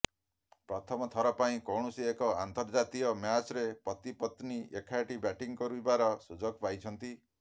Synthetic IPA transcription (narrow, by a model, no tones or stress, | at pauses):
pɾɔt̪ʰɔmɔt̪ʰɔɾɔpaĩkowɳ̃usiekɔant̪ɔɾd͡ʒat̪ijɔmjat͡ʃɾepɔt̪ipɔt̪niekʰajʈibɛʈiŋkɔɾuibaɾɔsud͡ʒɔɡpajt͡ʃʰɔnt̪i